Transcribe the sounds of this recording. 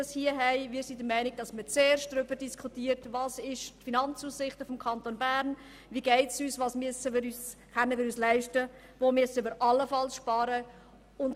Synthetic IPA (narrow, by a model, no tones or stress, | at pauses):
ɑshiəɦɛɪʋɪːɾsidəmɛɪniɡ̚d̥ɑsmət͡seːɾʃtd̥ɾʏbəd̥iskʰχutiːəɾtvɑːsɪʃtfinɑnt͡suːsːɪχtəfɔmkʰɑntonbæːɾn | ʋiɡɛɪtsyːsʋɑːsmyəsəʋiːɾyːsχœnəʋiːɾyːslæɪʃtə | ʋomyəsəʋiːɾʔɑlːəfɑlsʃpɑːɾə | ʊnd